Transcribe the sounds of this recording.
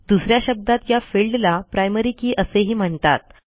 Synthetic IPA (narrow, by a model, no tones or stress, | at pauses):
d̪usɾjaɕəb̚d̪at̪jafilɖlapɾajməɾiːkiːʔəseɦiːm̤əɳt̪a̰t̪̚